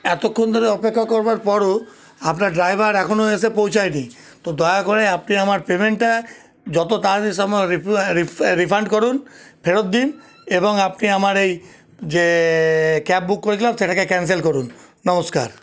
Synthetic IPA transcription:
ɛt̪okʰːond̪ʱɔɾeɔpekʰːakɔɾbaɾpɔɾo | apnaɾɖɾajbʱaɾɛkʰonoesepowt͡ɕʰajʈi | t̪od̪ɔjakoɾeapniamaɾpemeɳʈʈa | d͡ʒɔt̪ot̪aɾesɔmɔɾiɾiɾipʰaɳɖkɔɾunpʰeɽot̪̚d̪in | eboŋapniamaɾej | d͡ʒe | kɛp̚bukːoɾit̪ʰilabseʈakekɛns̬elkɔɾunː | ɔmoska̰ɾ

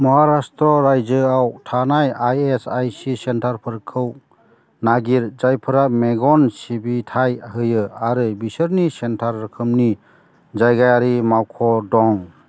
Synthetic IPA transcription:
mɔɦaɾastɾɔɾajd͡ʒɯawtʰanajajesajsisentʰaɾpʰɯɾkʰɯw | naɡiɾd͡ʒajpʰɯɾameɡɔnsibitʰajɦɯjɯaɾɯbisɯɾnisentʰaɾːɯkʰɯmni | d͡ʒajɡajaɾimawkʰɔdɔŋ

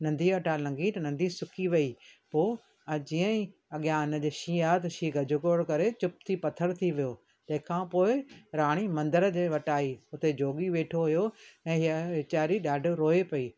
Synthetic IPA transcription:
nɐ̃nd̪ʱiʋɐʈalɐ̃ŋɡit̪nɐ̃nd̪ʱisʊkiʋɐipoː | ɐd͡ʑiːə̃ĩɐɠjaːnd͡ʑeːʃiːaːt̪ʃiːɡʱɐd͡ʑʱʊkoːɽkɐɾet͡ɕʊp̚t̪ʰipɐt̪ʰəɾt̪ʰiʋijoː | t̪ɐ̃ɦɪ̃kʰãːpoːɪɾaːɽ̃imɐ̃nd̪əɾd͡ʑeːʋɐʈaːiʊt̪ed͡ʑoːɠiʋeːʈʰoɦʊjoɛ̃ːɦɪaɪt͡ɕaːɾiɗaːɖ̆ʱɾoːepɐiː

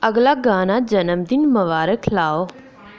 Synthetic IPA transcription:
ɐɡlaɡaːnad͡ʒɐnəmd̪ɪnmɐʋaːɾəkʰlaːo

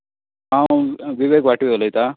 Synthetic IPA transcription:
ɦãʋiʋekʋaʈiʋelajt̪a

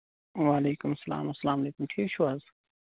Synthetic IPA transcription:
waːleːkʊmɐsɐla̰ːmɐsːɐlaːmɐleːkʊmʈʰiːkt͡ʃʰuwaːz

